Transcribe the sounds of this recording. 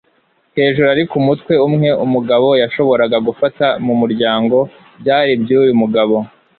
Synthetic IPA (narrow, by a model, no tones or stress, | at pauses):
he̞ːʒuɾuaɾikumutwe̞umŋe̞umuɡaβo̞jaʃo̞βo̞ɾaɡaɡufatamumuɾɟaːŋɡo̞ | bjaːɾibɟuːjumuɡaβo̞